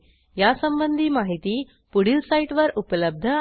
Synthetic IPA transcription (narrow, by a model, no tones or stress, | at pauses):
jasəmbənd̪ʱiːmaɦit̪iː | puɽ̤ilsaiʈʋəɾupləb̚d̪ʱə